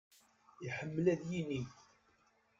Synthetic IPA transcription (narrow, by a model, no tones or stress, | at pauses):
iħəmːlæðjini